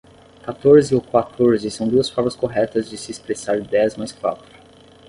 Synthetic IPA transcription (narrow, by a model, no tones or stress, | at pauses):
kat̪oɾzɪokwat̪ʰoɾzɪsɐ̃w̃d̪uɐsfɔɾmɐskoɦɛt̪ɐzd͡ʒɪsɪːspɾesaɾid̪ɛɐzmajskwat̪ɾɐ